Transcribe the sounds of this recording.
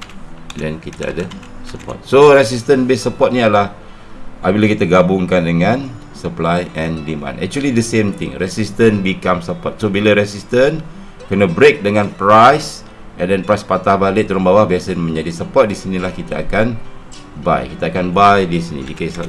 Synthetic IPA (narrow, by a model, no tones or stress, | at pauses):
dɛnkit̪aa̰dasəpɔ̰t̪̚soɾɛs̬is̬t̪ənbesəpɔt̪̚nialah | ʔabilakit̪aɡabʊŋkandəŋãn | səplajʔɛ̃ndimã̰nɛ̰k̚t͡ʃuəlidəsẽmt̪ɪ̰̃ŋrɛsist̪ənbikamsəpɔt̪̚sobiləɾɛsist̪ən | kənabɾek̚dəŋãnpɾajs | ɛ̃ndɛnpɾajspat̪ahbalɪʔt̪ːuɾanbawahbiasanmə̃ɲd͡ʒadisəpɔt̪̚disinilahkit̪aʔakan | ba̰jkit̪aakanbajdisinḭdikes